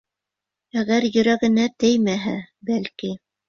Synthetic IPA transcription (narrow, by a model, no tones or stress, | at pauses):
æɣæɾjɵ̆ɾæɡɘ̆næt̪ɘjmæɦæbælki